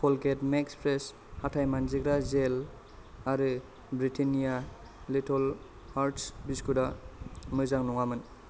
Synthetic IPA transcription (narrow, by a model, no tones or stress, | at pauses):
kʰɔlketmekspɾes | hatʰajmanziɡɾazel | aɾɯ | bɾitʰinija | litʰɔl | haɾtsbiskudamɯzaŋnɔŋamɯn